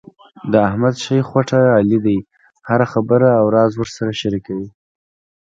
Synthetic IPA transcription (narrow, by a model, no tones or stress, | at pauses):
d̪əahmad̪ʃajxwaʈaːlid̪aj | haɾaxabəɾaːwɾɑzwəʐsaɾaʃaɾikawi